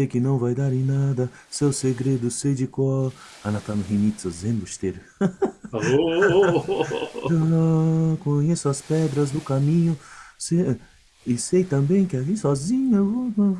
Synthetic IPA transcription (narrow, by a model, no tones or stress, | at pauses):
sejkɪnɐ̃w̃vajd̪aɾẽj̃nad̪ɐ | sewseɡɾed̪ʊsejd͡ʒɪkwaw | ɐnat̪anʊhinit̪sozẽmbʊʃt̪eɾʊ | o | kõɲesʊɐspɛd̪ɾɐzd̪ʊkamĩɲʊse | ɪsejt̪ɐ̃mbẽj̃kɪalisɔzĩɲɐvo